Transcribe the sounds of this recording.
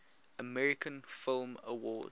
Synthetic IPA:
əmɛɹɪkʰə̃nfɪlˠmə̰wɔ̰ːd

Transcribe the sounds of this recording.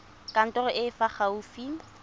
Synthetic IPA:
kʼan̩tɔrɔʔɪfaχauːfi

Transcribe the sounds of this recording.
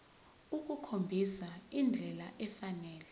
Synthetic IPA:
uk̬ʼukʰombʱisaind͡ɮʱɛlaʔɛfanɛːlɛ

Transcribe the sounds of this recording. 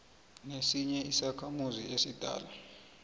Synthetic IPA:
nesiɲɛisakʰamuziesitʼa̰ːla

